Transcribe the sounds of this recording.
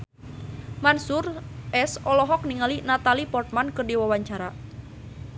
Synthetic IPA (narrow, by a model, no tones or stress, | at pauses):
mansʊrʔɛsɔlɔɦɔk̚niŋalinat̪alipɔrt̪̚mankərdiwawaɲt͡ʃaɾa